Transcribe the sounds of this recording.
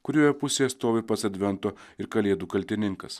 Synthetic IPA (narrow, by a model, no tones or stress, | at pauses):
kʊɾʲuːjɛpʊsʲeːɐst̪oːʋʲɐpɐsɐd̪ʲʋʲɛnt̪oːɪɾkɐlʲeɛd̪uːkɐlʲt̪ʲɪnʲɪŋkɐs